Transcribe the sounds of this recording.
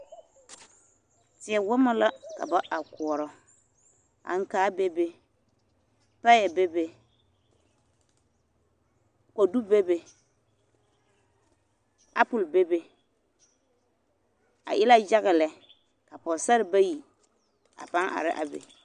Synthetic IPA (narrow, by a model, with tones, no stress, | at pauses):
tɪ˨ɛ˨wʊ˦ma˦la˦ka̰˨ba˦ʔa˨kʊ˨ɔ˨ɾɔ˨ | a̰˨ŋ̩˦kaː˦be˦be˦ | pa˦jɛ˨be˦be˨ | ko˨du˦be˦be˨ | a˦pʊ˨lbe˦be˦ | a̰˨ʔɪ˦la˦d͡ʒa˦ɣɪ˨lɛ˨ | ka˨pɔ˨sa˦ɾɪ˨ba˦ji˨ | a̰˨pa˦ŋʔa̰˨ɾɪ̰˦ʔa̰˨bḛ˨